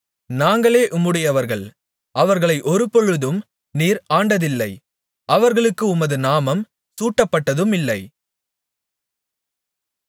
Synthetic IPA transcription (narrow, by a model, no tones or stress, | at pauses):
naːŋɡɐɭeːʔʊmɯɽɪjɐʋɐɾɣɐɭ | ʔɐʋɐɾɣɐɭɐɪʔɔɾɯpɔɻɯðɯm | niːɾaːɳɖɐðɪlːɐɪ | ʔɐʋɐɾɣɐɭɯkːɯʊmɐðɯnaːmɐm | suːʈːɐpːɐʈːɐðɯmɪlːɐɪ